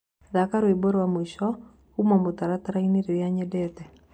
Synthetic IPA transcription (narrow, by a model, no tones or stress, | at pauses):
ðakaɾoiboɾwamwiʃɔ | umɔmʊt̪aɾat̪aɾaineɾeɾjaɲɛdɛt̪ɛ